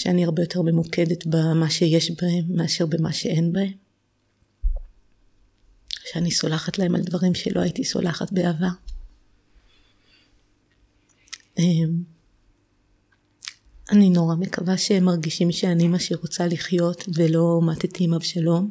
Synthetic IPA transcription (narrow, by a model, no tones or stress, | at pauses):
ʃeaniaʁbe̞jo̞tʰe̞ʁme̞muke̞detbamaʃe̞jeʃbahemːeaʃeʁbema̰ʃe̞e̞nbahem | oʃeaniso̞laχatlae̞ma̰ldvaʁimʃḛlo̞aitiso̞̰lʔaχatbeava | ʔem | anino̞ʁame̞kavaʃemaʁɡiʃimʃeanimaʃeʁot͡saliχjo̞tvelo̞mat̪etimavʃalo̞m